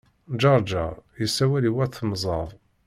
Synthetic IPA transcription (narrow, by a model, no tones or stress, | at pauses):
d͡ʒɑɾˤd͡ʒa̰jəsːæwæliwæɾθmzˤɑðˤ